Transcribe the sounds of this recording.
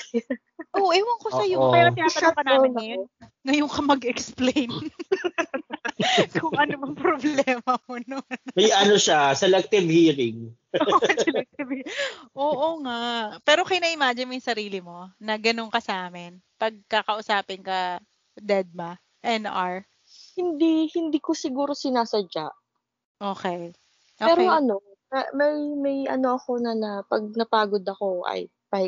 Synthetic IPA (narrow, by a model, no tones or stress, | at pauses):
ʔoʔɪwɐŋkoɐjopɛjɾaɪnaːpɐakɐnaːɪɐjonŋɐjoŋkɐmɐɡɛksplejn | kʰʊŋʔɐnobɐŋpɾoblɛːmɐmonomɐjʔɐnoʃasɛlɛk̚t̪ɪvhiːɾɪŋ | osɛlɛk̚t̪ɪvhiʔoːʔoŋapɛːɾo̞kɐjnɐʔɪmaːd͡ʒɛnmojʊŋsɐɾiːlɪmo̞nɐɡɐno̞ŋkɐsɐaːmɪnpɐɡ̚kakɐʔʊsaːpɪnkɐ | d̪ɛd̪̚mɐ | ʔɛnʔaɹ | hɪnd̪ihɪnd̪iːkosɪɡuːɾo̞sɪnaːsɐd͡ʒaʔ | ʔoːkɛ | pʔoɛːɾoɐno̞ | mɐmɐjmɐjʔɐ̰no̞ɐko̞nɐnɐpɐɡ̚nɐpaːɡod̪ɐkoʔɐ̰j | pɐ